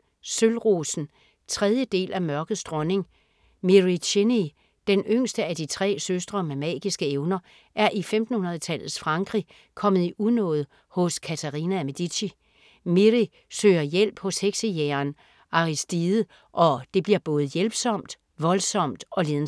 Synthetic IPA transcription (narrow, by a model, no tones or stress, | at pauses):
sølʁosn̩ | t͡sʰʁeð̞ˠjəd̥e̝̰ːlʔæmɶɐɡ̥ð̩ˠsd̥ʁɒ̽ne̝ŋ | miʁiɕʰeni | d̥enøŋ̰sd̥əæd̥it͡sʰʁɛ̰ːsøsd̥ʁɐmemɛ̰ːɡ̥isɡ̥əeʊnɐ | ʔæɐʔifemd̥n̩hunɐð̞ˠt͡sʰæl̰ð̩ˠsfʁɑ̈ŋɡ̥ʁi | kʰɒ̽mð̩ˠiʔuðˠnɔ̰̽ːð̞̩ˠ | hɔ̽skʰæt͡sʰæʁinæmed̥iɕi | miʁi | søːɐjel̰b̥hɒ̽sheɡ̥sijeɐn | ʔɑ̈ʁisd̥ið̩ˠ | ʔɒ̽d̥e̝b̥liɐb̥ɔ̽ːð̞̩ˠjelb̥sɒ̽m̰d̥ | ʋɒ̽lsɒ̽m̰d̥ɒ̽le̝ːðˠn̩